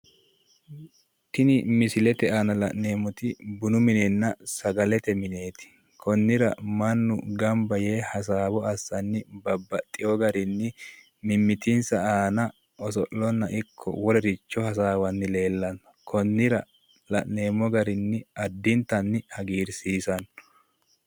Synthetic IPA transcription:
t̪ɪnɪmɪsɪlɛt̪ɛaːnɐlɐʔne̞ːmɔt̪ɪbʊnʊmɪnɛnːɐsɐɡɐlɛt̪ɛmɪne̞ːt̪ɪ̥ | kʰɔnːɪɾɐ̰mɐnːʊ̰ɡɐmbɐjeːhɐs̬aːbɔɐsːɐnːɪbɐbːɐt̪ʼːɪjɔɡɐɾɪnːɪ | mɪmːɪt̪ɪnsɐaːnɐ | ɔsɔʔlɔnːɐʔɪkʰːɔ̰wɔɾɛɾɪt͡ʃːɔhɐs̬aːwɐnːɪle̞ːlːɐnɐkʰɔnːɪɾɐ | lɐʔne̞ːmɔɡɐɾɪnːɪɐd̪ːɪnt̪ːɐnːɪhɐɡiːɾsiːsɐn

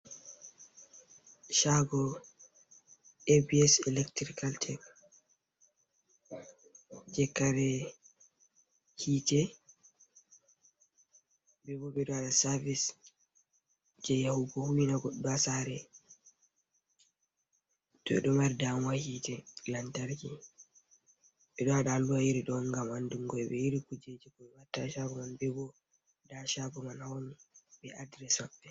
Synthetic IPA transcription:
ʃaɡɔ | ebiɛsɛlɛktɾikaltʰɛk | d͡ʒɛkːaɾɛ | hiːtɛ | bɛbɔbɛɗaɗasaɾvis | d͡ʒɛjahuɡɔhuwinaɡɔɗdasaɾɛ | tɔ̰ɛ̰ɗɔmaɾidamwahitɛlantaɾki | ɓɛɗɔaɗaaluajiɾiɗɔnɡamanduŋɡɔɛɓɛjiɾikud͡ʒed͡ʒikɔɛwatːaʃabɔmanbɛbɔ | daʃabɔmanawoniɓɛʔadɾɛsabːɛ

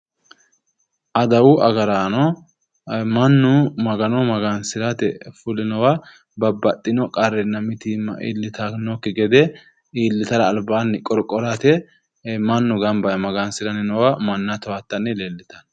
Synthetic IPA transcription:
ʔɐd̪ɐwʊʔɐɡɐɾanɔ | mɐnːʊmɐɡɐnɔmɐɡansɪɾɐt̪ɛfʊlɪnɔwɐ | bɐbːɐt̪ʼːɪnɔkʼɐɾːɛnɐmɪt̪iːmɐ̰ʔḭːlːɪt̪anokːɪɡɛd̪ɛ | iːlːɪt̪ɐɾɐːlbaːnːɪkʼɔɾkʼɔɾat̪ɛ | mɐnːʊɡɐmbɐjɐmɐɡansɪɾɐnɪnɔwɐmɐnːɐt̪ɔwat̪ːɐnːɪleːlːɪt̪ɐn

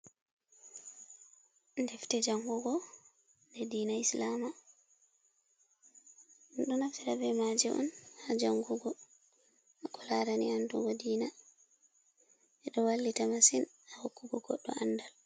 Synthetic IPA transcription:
ndɛftɛd͡ʒaŋɡuɡɔ | ndɛdiːnaislama | ɗunaftiɾabɛmad͡ʒiʔɔ̰nhad͡ʒaŋɡuɡɔ | ʔakɔlaɾanianduɡɔdiːna | ɛɗɔwalːitamasin | ahokːuɡɔɡɔɗːɔ̰anːdal

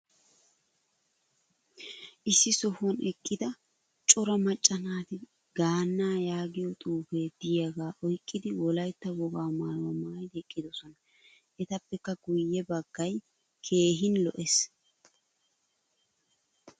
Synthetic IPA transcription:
ʔɪsːɪsɔhɔnʔɛkʼːɪd̪ɐ | t͡ʃʼɔɾɐmɐt͡ʃʼːɐnaːt̪ɪ | ɡaːnːaːjaːɡɪjɔt̪ʼuːfeːd̪̥ɪjɐɡaːʔɔjkʼːɪd̪ɪwɔlɐjt̪ːɐwɔɡaːmaːɾwɐmaːjd̪ɛkʼːɪd̪ɔsɔnɐ | ʔɛt̪ɐpːɛkːɐɡʊjːɛbɐɡːɐj | kʰe̞ːɦɪnlɔʔɛs

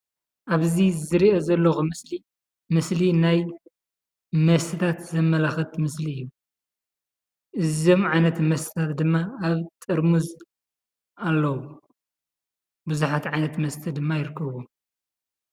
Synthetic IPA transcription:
ʔaβzizɨɾiʔozɐlːoxuɨsli | mɨslinaj | mɐst̪ʰɨt̪ʰat̪zɐmːɐlɐxɐt̪mɨsliɨjːu | ʔɨzo̞mʕajnɐt̪mɐst̪ʰi̥t̪ʰat̪d̪ɨmːaːβt̪ʼɨɾmuz | ʔalːɐwu | bɨzuħat̪ʕajnɐt̪mɐst̪ʰɨd̪ɨmːajɪɾɨkʰːɐβu

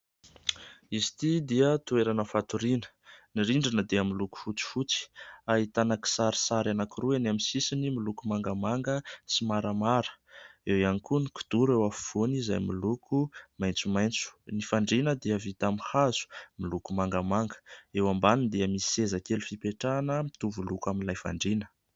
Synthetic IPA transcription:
izi̥t̪id̪eət̪ueɾanəfat̪uɾinə̥ | niɾiɳɖ͡ʐinəd̪eəmiluku̥fut͡si̥fut͡si̥aɦit̪anaki̥saɾi̥saɾanakuruanaminsisinimilukumaŋɡəmaŋɡəsimaɾamaɾə̥ewianikuniku̥d̪̥uɾewafu̥v̥onizajmilukʰumajnt͡sumajnt͡su̥nifaɳɖ͡ʐinəd̪eəvit̪amihaz̥u̥milukumaŋɡamaŋɡə̥ewambanind̪eəmisi̥ezakelufipeʈ͡ʂanəmit̪uvulukaminlajfa̰ɳɖ͡ʐinə̥

